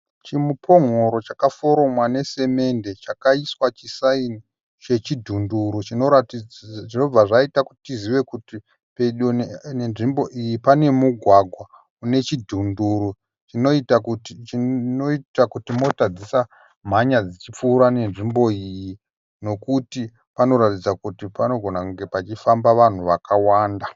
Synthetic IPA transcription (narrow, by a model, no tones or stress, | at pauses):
t͡ʃimupʰo̞ŋ̤o̞ɾo̞t͡ʃakafo̞ɾo̞mwane̞se̞me̞nde̞t͡ʃakaiswat͡ʃisaini | t͡ʃe̞t͡ʃidʱunduɾut͡ʃino̞ɾatiino̞b͡vaʐaitakutitiziʋe̞kuti | peɗnenʐimbo̞ʔijipane̞muɡʱwaɡʱwa | une̞t͡ʃidʱunduɾu | t͡ʃinoita | noitakutimo̞tad͡zisa | m̤aɲad͡zit͡ʃip͡fuːɾane̞nʐimbo̞iji | no̞kuti | pano̞ɾatid͡zakutipano̞ɡʱo̞nakuŋɡe̞pat͡ʃifambaʋan̤uʋakawaːnda